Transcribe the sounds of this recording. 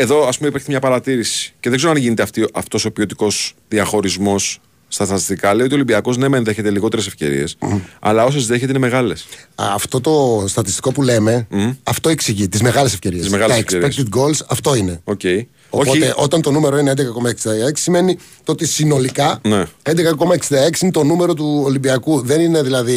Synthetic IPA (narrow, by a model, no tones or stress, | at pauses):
e̞ðo̞ɐspumeipɾçtemɲɐpɐɾɐt̪iɾisi̥ceðeɡzeɾoɐnʝinet̪eɐft̪iʔɐft̪o̞so̞pio̞t̪iko̞s | ðiɐxo̞ɾizmo̞sː | t̪ɐst̪ɐt̪ist̪ikɐleioiolimbiɐko̞znemenðeçe̞t̪eliɣo̞t̪eɾesefce̞̰ɾḭe̞sɐ̰lɐo̞s̬ozðeçet̪einemeɣɐle̞sɐft̪o̞t̪o̞st̪ɐt̪ist̪iko̞pule̞me̞ɐft̪o̞eksiʝit̪izme̞ɣɐlesefce̞ɾiizmeɣɐlɐeksɾekt̪id̪ɡo̞lsɐft̪o̞ine̞oce̞i | oopot̪eʔo̞t̪ɐnt̪o̞nume̞ɾo̞ineed̪ekɐko̞mɐeksind̪ɐɐekssime̞ni | t̪oo̞t̪isino̞likɐneend̪ekɐko̞mɐeksind̪ɐeksinet̪o̞nume̞ɾo̞t̪uolimbiɐkuðe̞nine̞ðilɐði